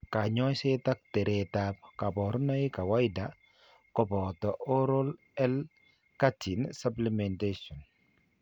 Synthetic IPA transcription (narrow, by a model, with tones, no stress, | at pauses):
ka˨ɲɔ˦jseta˦k̚tɛ˨ɾetap̚ka˨bɔ˨ɾu˦na˦jka˨wa˦jda | kɔbɔ˨tɔʔɔ˦ɾo˦l | ɛ˦l | kati˨nsaplimɛntesɔ˨n